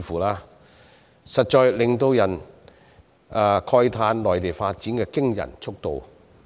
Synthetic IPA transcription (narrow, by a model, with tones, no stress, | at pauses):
fuː˨laː˧ | sɐ˨t̚t͡ʃɔː˧jlɪ˨ŋt̪o˧wjɐ˨˩n | ʔkʰɔː˧jt̪ʰaː˧nlɔː˨˩jt̪e˨˩jfaː˧t̚t͡siː˨˥nkɛː˧kɪ˥ŋjɐ̰˨˩nt͡ʃʰʊ˥k̚t̪o˨˧w